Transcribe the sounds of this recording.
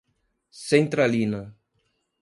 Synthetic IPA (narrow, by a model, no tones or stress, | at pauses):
sẽnt̪ɾalinɐ